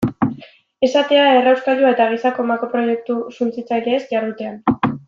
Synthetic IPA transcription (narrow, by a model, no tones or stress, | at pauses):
e̞sat̪e̞ae̞rawskalʎuae̞t̪aɣ̞isako̞mako̞pɾo̞je̞k̚t̪usunt͡sit͡sajd̪eːsʝaɾðut̪e̞an